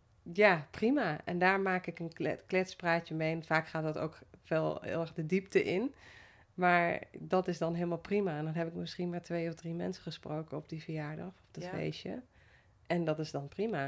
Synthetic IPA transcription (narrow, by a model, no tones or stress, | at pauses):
japrimaʔɛ̰ndaːɹmaːkɪkənklɛtspraːtjəmejnfaːkχaːt̚dɔto̰wkʋɛlˠɪ̰ːlˠɛɹɣdədip̚təʔɪn | maɹdɔtɪsdɔnɦɪːəlˠmalˠprimaɛndɔnɦɛpɪkmɪsxinmaːɹtʋejɔfdrimɛ̰nsəxəsprowkəɔp̚difəɹjaːɹdɔxɔpd̥ɔtfḛjʃjə̰ | ʔɛndɔtɪsdɔnprima